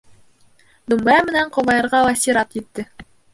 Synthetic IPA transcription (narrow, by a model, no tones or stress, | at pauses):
d̪umbɑmɘ̆næɴqŏvɑjɤ̆ɾʁɑlˠɑsʲiɾɑt̪jɘ̆t̪ːɘ